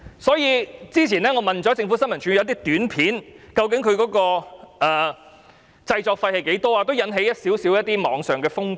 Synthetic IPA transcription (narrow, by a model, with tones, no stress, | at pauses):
sɔː˨˥jiː˨˧t͡siː˥t͡sʰiː˨˩nɛː˥ŋɔː˨˧mɐ˨nt͡ʃɔː˨˥t͡sɪ˧ŋfu˨˥sɐ˥nmɐ˨˩nt͡ʃy˨˧˥t̪̬iː˥t̪yː˨˥npʰiː˨˥nkɐ˧wk̬ɪ˨˥ŋkʰɵ˨˧ɥkɔː˨˥kɔː˧ʔɛː˨ | t͡sɐ˧jt͡ʃɔː˧k̚fɐ˧jhɐ˨jke˨˥jt̪ɔː˥aː˧t̪o˥wjɐ˨˥nɦe˨˧˥jɐ˥t̚siː˨˥wsi˨˥wjɐ˥t̚t̪iː˥mɔ̰ː˨˥ŋsœː˨ŋkɛː˧fʊ˥ŋ